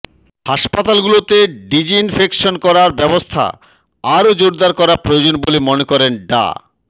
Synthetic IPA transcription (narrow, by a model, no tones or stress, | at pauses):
haʃpat̪alɡulot̪eɖid͡ʑiinfʰekʃonkɔɾaɾbɛbost̪ʰa̰ | aɾod͡ʑoɾd̪aɾkɔɾapɾojod͡ʑonbolimonekɔɾenɖa̰